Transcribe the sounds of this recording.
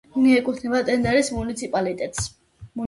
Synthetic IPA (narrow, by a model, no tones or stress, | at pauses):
uniɛkʼut̪ʰnɛbat̪ʼɛnd̪ɛɾismunit̪sʰipʼalit̪ʼɛt̪ʼs | mu